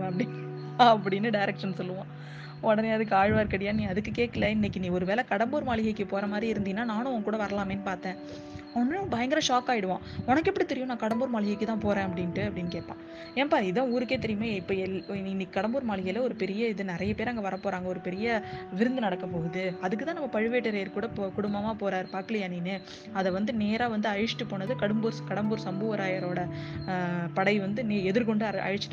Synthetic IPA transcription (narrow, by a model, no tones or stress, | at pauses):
ʋẽːɐpːɐɽɪ | ɐpːɐɽɪnːɯɖɐɪɾɛkʂɐnsɔlːɯʋãː | ɔɽɐneɐðɯkːɯaːɻʋaːɾkːɐɽɪjaːnĩːɐðɯkːɯkeːkːɐlɐɪnːɛkːɪniːɔɾɯʋeːlɐkɐɽɐmbuːɾmaːɭɪɣɐɪkːɯpoːɾɐmaːd̪ɾiɪɾɯnd̪iːnːaːnaːnʊ̃ɔ̃ŋɡɐkːuːɽɐʋɐɾɐlaːmeːnːɯpaːɾt̪ẽː | ɔnːbɐjɐŋɡɪɾɐ̃ʂaːkːaːjɪɽɯʋãːɔnɐkːɛpːɐɽit̪ɛɾɪjʊ̃nãːkɐɽɐmbuːɾmaːɭɪɣɐɪkːɯt̪ãːpoːɾẽːɐpːɐɽɪnʈːɯɐpːɐɽɪnːɯkeːʈ̚pːã̰ː | eːnɐpaːɾɪðɐ̃uːɾɯkːeːt̪̬ɛɾɪjmaːɪpːɐːɛɪɪnːikːkɐɽɐmbuːɾmaːɭɪɣɐlɐɔɾɯpɛɾɪjɐɪðɯnɪɾɐjɐpeːɾɐŋɡɐʋɐɾɐpːoːɾaːŋɡɐɔɾɯpɛɾɪjɐʋɪɾɯnd̪ɯnɐɽɐkːɐpːoːɣɐðɯɐðɯkːɯt̪ãːnɐmːɐpɐɻɯʋeːʈːɐɾɐjɐɾkuːɽɐkʊɽʊmbɐmaːpoːɾaːɾpaːkɪlɪjaːniːnːɯ | ɐðɛʋɐnd̪ɯneːɾaːʋɐnd̪ɯɐɻɪʂʈɯpoːɳːɐðɯkɐɽɯmbuːɾskɐɽɐmbuːɾsɐmbuːʋɐɾaːjɐɾoːɽɐ | pɐɽɐɪʋɐnd̪ɯneːɛðɯɾkɔɳɖɯɐʔɐ̰ɻɯt͡ʃː